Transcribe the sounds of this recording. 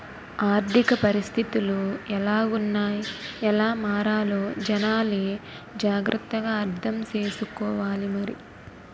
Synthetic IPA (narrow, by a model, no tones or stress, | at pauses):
aːɾt̪ikɐpɐɾist̪ʰit̪iluɛlaːunːaːjiɛlaːmaːɾaːlo̞ːd͡ʒɐnaːleː | d͡ʒaːɡɾʔɐt̪ːɐɡaːɐɾt̪ʰɐmt͡ʃeːsukɔːʋaːlimɐɾḭ